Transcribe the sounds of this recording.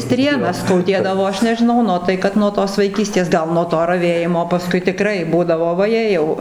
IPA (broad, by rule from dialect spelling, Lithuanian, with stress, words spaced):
ˈsʲtʲrʲeːnɐs skɐʊˈdʲeːdɐʋoː ˈɐʃ nʲɛʒʲɪˈnɐʊ ˈnʊ tɐɪ ˈkɐt nuɔ ˈtoːs ʋɐɪˈkʲiːsʲtʲeːs ˈɡɐlˠ nuɔ ˈtoː rɐˈʋʲeːjɪmoː pɐˈskʊɪ tʲɪˈkrɐɪ ˈbuːdɐʋoː ʋɐˈjeː jɛʊ